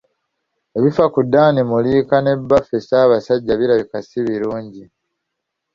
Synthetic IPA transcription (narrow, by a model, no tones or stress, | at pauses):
e̞βifakudːaːnimuliːkane̞bːafesaːβasaɟːaβiɾaβikasiβiɾuːɲɟi